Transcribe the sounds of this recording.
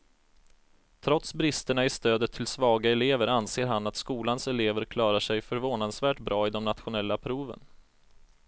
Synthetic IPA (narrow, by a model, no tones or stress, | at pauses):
t̪ʰɾɔt̪sbɾɪst̪əɳaɪst̪øːd̪ət̪ʰːɪlsvɑːɡaɛleːvəɾanseːɾɦanːat̪skuːlansɛleːvəɾkʰlɑːɾaʂɛjfœɾvoːnad̪svæːʈbɾʔɑːɪd̪ɔmnat̪ɧʊnɛlːapʰɾuːvə̰n